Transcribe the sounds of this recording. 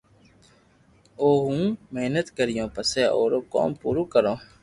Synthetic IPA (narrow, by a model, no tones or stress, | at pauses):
oːɦũːmeɦnət̪kəɾɪjõːpəseːo̰ːɾoːko̰ːmpuːɾuːkəɾõː